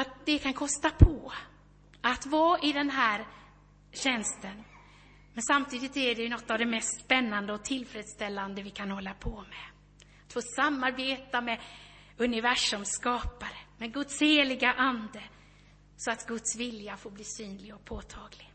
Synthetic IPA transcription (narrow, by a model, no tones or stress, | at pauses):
at̪̚d̪ɛkʰankʰɔst̪apʰɔ | at̪vɑːʔɪd̪ɛnɦæːɾ | ɕɛnst̪ən | mɛnsamt̪ʰiːd̪ɪt̪æɖɛjɵnɔt̪ːavd̪ɛmɛst̪spɛnːand̪əɔt̪ʰɪlfɾeːd̪st̪ɛlːand̪əvɪkʰanhɔlːapʰɔmɛ | at̪foːsamːaɾbeːt̪amɛ | ɵnɪvæʂʊmskɑːpaɾəmɛɡɵt̪sheːlɪɡaʔand̪ə | sɔat̪ɡɵt̪svɪljafoːɾbliːsyːnlɪɡɔk̚pʰoːt̪ʰɑːɡlɪɡ